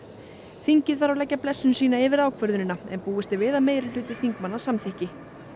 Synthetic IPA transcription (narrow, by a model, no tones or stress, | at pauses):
θiɲcɪðfaɾawlɛcːaplɛsːʏnsiːnaɪvɪɾaːwkʰvœɾðʏnɪnːaɛ̰npuːɪst̪ɪvɪːðaðmeːjɾɪl̥ʏːt̪ɪ̥θiŋkmanːḁsamθɪhcɪ